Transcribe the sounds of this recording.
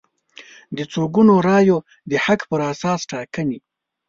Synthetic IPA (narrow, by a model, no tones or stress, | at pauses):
d̪ət͡soɡunoɾɑjo | d̪əhakpəɾasɑsʈɑkəni